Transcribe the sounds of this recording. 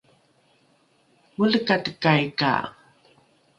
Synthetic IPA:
muɮəkatəkajka̰

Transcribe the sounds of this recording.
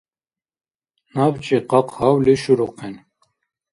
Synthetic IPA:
naːbt͡ʃiqɑqhɑwliʃuɾuqʰɛn

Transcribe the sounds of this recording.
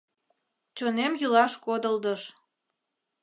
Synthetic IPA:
t͡ɕonemjulɑʃkod̪əld̪əʃ

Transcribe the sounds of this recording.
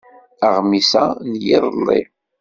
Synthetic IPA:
əʁmisænjɪðˤəlːḭ

